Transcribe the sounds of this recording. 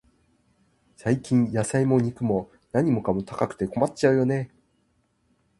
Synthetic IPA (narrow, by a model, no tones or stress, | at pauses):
saikʲĩɰ̃jasaimo̞ɲ̟ikɯ̟mo̞ | naɲ̟imo̞kamo̞t̪akakɯ̟̥t̪e̞ko̞matt͡ɕaɯ̟jo̞ne̞